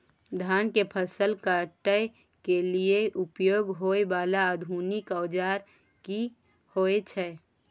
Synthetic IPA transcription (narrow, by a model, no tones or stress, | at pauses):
d̪ʱaːnkepʰəsəlkəʈəj | kelieʔʊpjoːɡɦoːeʋaːlaəd̪ʱuːnɪkəwd͡ʒaːɾ | ki | hoːet͡ʃʰɛ